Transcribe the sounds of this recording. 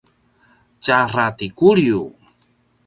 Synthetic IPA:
t͡ɕaratikulju

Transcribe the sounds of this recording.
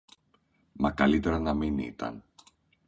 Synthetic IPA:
mɐkɐlit̪e̞ɾɐnɐminḭt̪ɐ̰n

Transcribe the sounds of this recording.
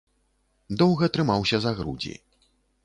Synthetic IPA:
d̪ɔwɣɐt̪ɾɨmawsʲɐzaɣɾṵd͡zʲḭ

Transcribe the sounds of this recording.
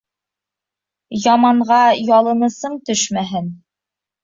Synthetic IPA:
jɑmɑɴʁɑjɑlˠɤ̆nɤ̆sɤɴt̪ɵʃmæɦɘn

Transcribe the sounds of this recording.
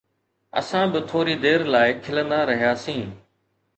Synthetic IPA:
ə̰sãːbɪt̪ʰoːɾiːd̪eːɾlaːɪkʰɪlənd̪aːɾəɦijaːsĩː

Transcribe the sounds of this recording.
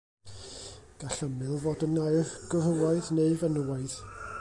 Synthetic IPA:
ɡ̥aɬəmɨlˠvoːdənajɡ̥ɔvhəlˠaɨðneɨvənəwaɨð

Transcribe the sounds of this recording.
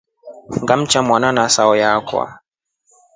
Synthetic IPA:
ŋɡam̩t͡ʃamwananasaɔjakwa̰

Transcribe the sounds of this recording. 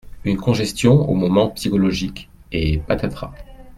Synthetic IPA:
ynkɔ̃ʒɛst̪jɔ̃o̰mɔmɑ̃psikɔlɔʒik | epat̪at̪χa̰

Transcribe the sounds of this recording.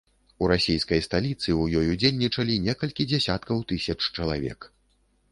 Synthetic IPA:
uɾasʲijskɐjst̪alʲit̪sɨujɔjud͡zʲelʲnʲit͡ʂɐlʲinʲɛkɐlʲkʲid͡zʲɛsʲat̪kɐwt̪ɨsʲɐt͡ʂt͡ʂɐlˠavʲɛ̰k

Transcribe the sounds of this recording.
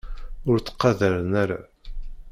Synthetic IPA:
ʊɾt͡sːə̥qːɑðəɾənæɾa̰

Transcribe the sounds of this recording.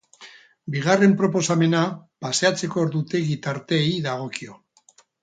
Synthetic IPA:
biɣ̞are̞mpɾo̞po̞same̞napase̞at͡se̞ko̞ːɾðut̪e̞ɣit̪aɾt̪e̞ːiðaɣ̞o̞kio̞

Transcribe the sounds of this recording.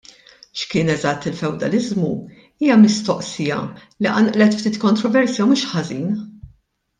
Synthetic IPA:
ʃkɪːnɛzɐt̪ːɪlfɛwd̪ɐlɪzmu | iːjɐmɪst̪ɔʔsɪjɐ̰liʔɐ̰nʔlɛt̪ft̪iːt̪kɔnt̪ɾɔvɛɾsjɐwmuːʃħɐziːn

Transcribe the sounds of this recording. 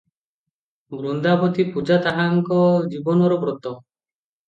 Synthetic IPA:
bɾund̪apʰɔt̪ipud͡ʒat̪aɦaŋkɔd͡ʒibɔnɔɾɔbɾɔt̪ɔ

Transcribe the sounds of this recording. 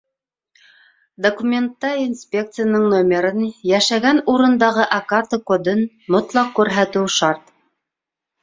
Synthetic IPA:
d̪okumʲent̪ːɑinspʲek̚t̪sɨjanɤɴnomʲeɾɤnjæʃæɡænuɾɤ̆nd̪ɑʁɤʔɐkart̪əkod̪ɤn | mot̪lˠɑqkːʉɾɦæt̪ɘwʃɑɾt̪

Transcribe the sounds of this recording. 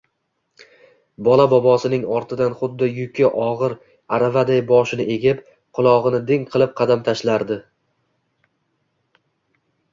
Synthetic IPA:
bɒlˠabɒbɒsɪnɪŋɒɾt̪ʰɪd̪anχʊd̪ːɪjʊkʲʰɪʔɒʁɨɾ | aɾavad̪ajbɒʃɪnɪʔe̞ɡʲɪp | qʰʊlˠɒʁɨnɪd̪ɪŋqʰɨlˠɪp̚qʰɑd̪amt̪ʰaʃlaɾd̪ɪ

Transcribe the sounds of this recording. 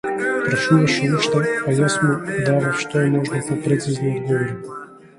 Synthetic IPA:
pɾɐt͡ʃnuvɐʃɛuʃt̪ɛajasmud̪avaʃt̪ɔɛmɔʒnopopɾɛt̪sɛznʲiod̪ɡɔvoɾi

